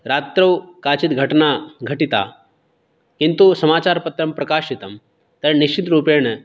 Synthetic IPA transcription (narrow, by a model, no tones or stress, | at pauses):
ɾat̪ɾəwkat͡ɕit̪ɡʱɐʈnaɡʱəʈit̪a̰ | kint̪usɐmaːt͡ɕaɾpət̪ɾɐmpɾɐkaɕit̪əm | t̪əɾniɕt͡ɕit̪ɾuːpeɳ̃